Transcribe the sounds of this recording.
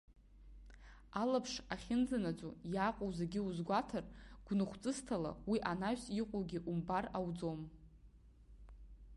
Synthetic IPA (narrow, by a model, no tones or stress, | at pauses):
alapʰʂaχʲɪnd͡zanat͡sʼojaqʷʼowzaɡʲɪuzɡʷatʰarɡ̥ʷnɨχʷt͡sʼɨstʰala̰wiʔanaɥsiqʷʼowɡʲiʔumbarawd͡zom